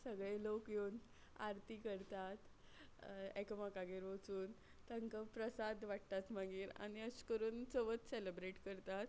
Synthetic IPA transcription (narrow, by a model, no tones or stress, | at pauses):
səɡɭelokjeun | a̰ɾt̪ikəɾt̪at̪ | ekəmakaɡeɾʋot͡suːn | t̪əŋkəpɾəsad̪ʋaʈt̪at̪maɡiːɾa̰ɽ̃iəɕkəɾuːnt͡səʋət̪selebɾeʈkəɾt̪at̪